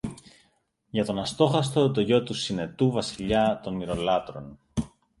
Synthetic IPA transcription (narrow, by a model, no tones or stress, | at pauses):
ʝɐt̪o̞nɐst̪o̞xɐst̪o̞t̪o̞ʝo̞t̪usine̞t̪uvɐsiʎɐt̪o̞niɾo̞lɐt̪ɾo̞n